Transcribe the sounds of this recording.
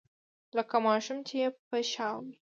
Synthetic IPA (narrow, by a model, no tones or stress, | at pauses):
ləkamɑʃʊmt͡ʃeepəʃɑwi